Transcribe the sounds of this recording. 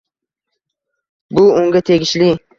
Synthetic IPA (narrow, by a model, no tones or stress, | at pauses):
bʊʊŋɡʲat̪ʰe̞ɡʲɪʃlɪ